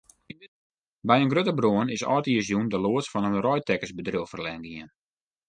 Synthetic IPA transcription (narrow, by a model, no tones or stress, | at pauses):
bɛjənɡrøtəbroənɪsɔ̰ːtiəsjundəloətsfɔnənrɔjtʰɛkəsbədrilˠfərlɛŋɡiən